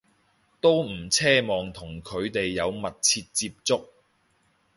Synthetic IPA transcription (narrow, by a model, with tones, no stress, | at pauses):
t̪o˥wm̩˨˩t͡sʰɛː˥mɔː˨ŋt̪ʰʊ˨˩ŋkʰɵ˨˧ɥt̪e˨jːɐ˨˧wmɐ˨t̚t͡sʰiː˧t̚t͡siː˧p̚t͡sʊ˥k̚